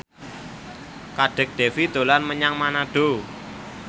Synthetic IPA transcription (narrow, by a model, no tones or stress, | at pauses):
kaɖ̥ə̤k̚ɖ̥e̤fid̪̥o̤lanməɲaŋmanaɖ̥o